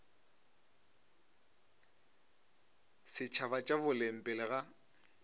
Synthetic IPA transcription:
sɪt͡ʃʰabat͡ʃʼabʊlem̩pʼɪlɪɣa

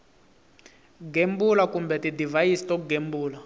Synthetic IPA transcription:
ɡembulakumbɛtidivajistɔkɡembuːla

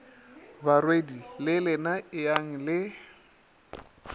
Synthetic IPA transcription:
barwedilɪlɪnaɪaŋ̩lɪ

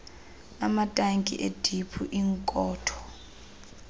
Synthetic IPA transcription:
amatʼaŋkʼḭʔed̥ʱipʰuʔiŋkʼɔːtʰɔ̥

